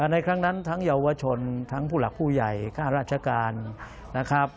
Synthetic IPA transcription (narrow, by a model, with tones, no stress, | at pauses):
ʔa˧˩na˧jkʰɾa˦˥ŋna˦˥nt̪ʰa˦˥ŋja˧wa˧t͡ɕʰo˧nt̪ʰa˦˥ŋpʰuː˥˩la˨˩k̚pʰuː˥˩ja˨˩jkʰaː˥˩ɾaː˥˩t̪̚t͡ɕʰa˧kaː˧nː | a˦˥kʰɾa˦˥p̚